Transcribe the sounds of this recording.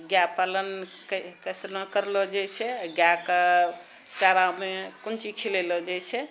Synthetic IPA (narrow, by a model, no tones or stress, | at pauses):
ɡjapalənkkəsɾmekəɾlɔd͡ʒajt͡ʃʰɛɡjakə | t͡ʃaɾamekunt͡ʃikʰilelɔd͡ʒat͡ʃʰɛ